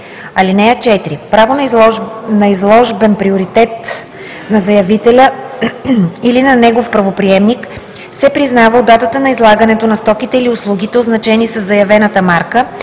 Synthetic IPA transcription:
ɐlinɛjət͡ʃɛt̪ɾipɾavon | nɐizlˠɔʒbɛnpɾioɾit̪ɛt̪ | nɐzɐjɐvit̪ɛlʲə | ilinɐnɛɡofpɾɐvopɾiɛmnik | sɛpɾiznavəod̪ːat̪ət̪ənɐizlˠaɡɐnɛt̪onɐst̪ɔkit̪ɛiliʊslˠuɡʲit̪ɛoznɐt͡ʃɛnisəzːɐjɐvɛnət̪əmaɾkə

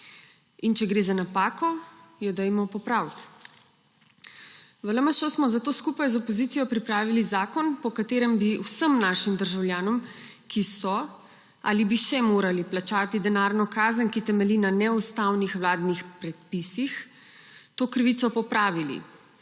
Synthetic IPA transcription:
int͡ʃɛɡɾeːzanapaːkɔjɛd̪ɛjmɔpɔpɾawt̪ | ʋələmaʃɔsmɔzat̪oːskupajzɔpɔzit̪sijɔpɾipɾaːʋilizaːkɔnpɔkat̪eːɾɛmbiwsəmnaːʃimd̪əɾʒawljaːnɔmkʰisɔ | a̰libiʃɛmoːɾaliplat͡ʃaːt̪id̪ɛnaːɾnɔkaːzənkit̪ɛmɛlinanɛust̪aːwnixʋlaːd̪nixpɾɛt̪̚pisix | t̪oːkɾʋit̪sɔpɔpɾaːʋilḭ

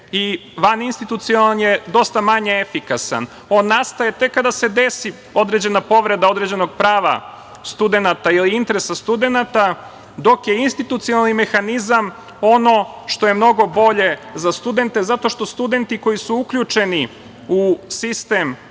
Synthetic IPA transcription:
iʋaninst̪it̪ut̪sionalnjed̪o̞st̪amaɲeefikasa̰n | o̞nːast̪ajet̪ekːad̪ase̞d̪e̞si | o̞d̪ɾed͡ʑe̞napo̞ʋɾe̞d̪ao̞d̪ɾed͡ʑe̞no̞ɡ̚pɾaːʋa̰ | st̪ud̪e̞nat̪ailiint̪eɾesast̪ud̪e̞nat̪a | d̪o̞kje̞inst̪it̪ut̪sioalˠnimexanizam | o̞no̞ʃt̪o̞je̞mno̞ɡo̞bo̞ʎe̞zast̪ud̪e̞nt̪e̞zat̪o̞ʃt̪o̞st̪ud̪e̞nt̪iko̞jisuukʎut͡ʃe̞ni | usist̪em

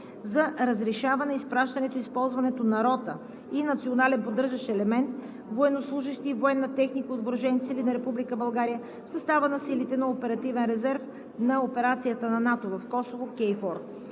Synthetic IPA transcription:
zɐɾəzɾɛʃavɐnɛispɾaʃt̪ɐnɛt̪oispɔlˠzvɐnɛt̪onɐɾɔt̪ə | inɐt̪sionalɛnpod̪ɤɾʒɐʃɛlɛmɛnt̪ | voɛnoslˠuʒiʃt̪iːvoɛnːɐt̪ɛxnikod̪vɾʒɛnt̪silinɐɾɛpublikəbɐlˠɡaɾijə | fsɐst̪avənɐsilit̪ɛnɐopɛɾɐt̪ivɛnɾɛzɛɾf | nɐopɛɾat̪sijət̪ənɐnat̪ovɐfkɔsovokʲɛjfɔɾt̪

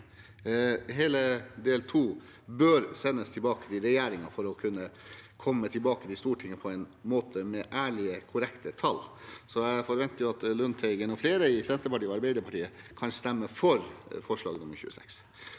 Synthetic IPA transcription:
ɦeːləd̪eːlt̪ʰuː | bøːɾsɛnːəst̪ʰɪlbɑːkə̥t̪ɪɾɛjæːɾɪŋɑfɔɾɔkʰʉnːəkʰɔmːət̪ʰɪlbɑːkət̪ɪst̪uːʈʰɪŋːəpʰɔɛɪnmoːt̪ʰəmɛʔæːɭɪəkʰʊɾɛkt̪ət̪ʰɑlːsɔæfɔɾʋɛnt̪əɾjʊɑt̪lʉnt̪ʰɛɪɡɛnɔfleːɾəɪsɛnt̪əɾpɑʈiːɔɑɾbæɪd̪əɾpɑʈiːəkʰɑnst̪ɛmːəfɔɾfɔʂɭɑ̰ːɡənʊməçʉ̰ːə̰sɛ̰ks

